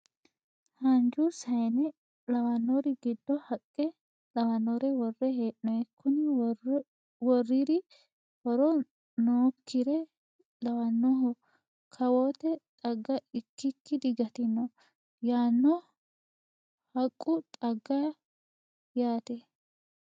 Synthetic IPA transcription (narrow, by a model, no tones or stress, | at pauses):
hɐnd͡ʒusɐjnɛ | lɐwɐnːɔɾɪɡɪd̪ːɔhɐkʼːɛ | lɐwɐnːɔɾɛwɔrːɛheːʔɔɛkʰːʊnɪ | wɔrːiɾɪ | hɔɾɔ | noːkʰːɪɾɛ | lɐwɐnːɔɦɔ | kʰɐwoːt̪ɛt̪ʼɐɡːɐɪkːɪkːɪd̪ɪɡɐt̪ɪnːɔ | jaːnːɔ | hɐkʼːʊt̪ʼɐɡːɐ | jaːt̪ɛ